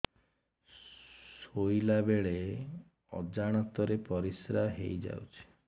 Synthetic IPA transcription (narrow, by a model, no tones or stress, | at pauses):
sojlabeɭe | ɔ̰d͡ʒaɽ̃ɔt̪ɔɾepɔɾisɾaɦḛjd͡ʒa̰wt͡ʃʰi̥